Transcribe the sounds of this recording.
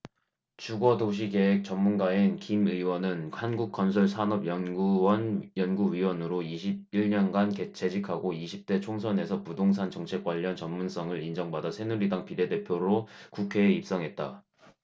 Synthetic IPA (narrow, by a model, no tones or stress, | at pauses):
t͡ɕuɡʌdoɕ̬ʰike̞ɦek̚t͡ɕʌmːunɡaenkimɯiwʌnɯnhanɡuk̚k͈ʌnsʰʌɭsʰanʌbjʌɡuwʌnjʌnɡuɥiwʌnɯɾoiɕʰib̚iɭɲʌnɡanke̞t͡ɕʰe̞d͡ʑikʰaɡoiɕʰip̚t͈e̞t͡ɕʰoŋsʰʌne̞sʰʌpudoŋsʰant͡ɕʌŋt͡ɕʰe̞k͈waʎːʌnt͡ɕʌmmuns͈ʰʌŋɯɾind͡ʑʌŋbadasʰe̞nuɾidaŋpide̞de̞pʰjoɾokukʰe̞ːip̚s͈ʌŋɦe̞t̚t͈a̰